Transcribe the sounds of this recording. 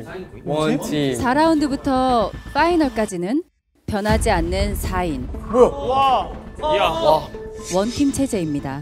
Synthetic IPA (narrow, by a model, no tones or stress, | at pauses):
sʰaɾaundɯbutʰʌk͈ainʌɭk͈ad͡ʑinɯn | pjʌnɦad͡ʑianːɯnsʰain | wʌntʰimt͡ɕʰe̞d͡ʑe̞imɲida